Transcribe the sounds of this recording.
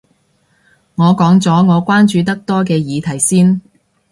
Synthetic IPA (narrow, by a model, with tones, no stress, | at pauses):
ŋɔː˨˧kɔː˨˥ŋt͡sɔː˨˥ŋɔː˨˧kʷwaː˥nt͡ʃyː˨˧t̪ɐ˥k̚t̪ɔː˥kɛː˧jiː˨˧t̪ʰɐ˨˩jsiː˥n